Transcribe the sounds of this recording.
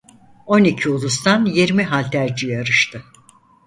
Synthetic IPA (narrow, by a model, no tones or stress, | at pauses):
o̞nicʰiulˠus̬t̪ʰanjeɾmiɦalʲt̪ʰæɾd͡ʒijaɾɯʃt̪ʰɯ